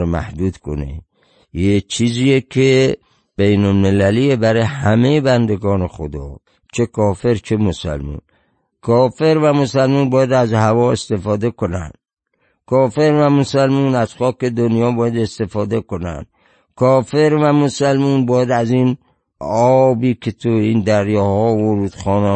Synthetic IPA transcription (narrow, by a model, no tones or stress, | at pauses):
mæ̰hd̪uːd̪̥kʰo̰nḛ | jet͡ʃʰiːziːjekʰe | b̥ejnolmelæliebæɾɒhæmejebænd̪eɡɒːnexod̪ɒ̰ː | t͡ʃʰekʰɒːfe̞ɾt͡ʃʰe̞mosæ̰lmṵːn | kʰɒːfe̞ɾvæmosælmuːnbɒːjæd̪æzhævɒːe̞st̪e̞fɒːd̪e̞ko̞næ̰nd̪̥ | kʰɒːfe̞ɾvæmosælmuːnæz̥xɒːke̞d̪onjɒːbɒːjæd̪est̪e̞fɒːd̪e̞ko̞næ̰nd̪̥ | kʰɒːfe̞ɾvæmosælmuːnbɒːjæd̪æziːn | ɒːbiːkʰet̪ʰuiːnd̪æɾjɒːhɒːvoɾuːd̪̥xɒːne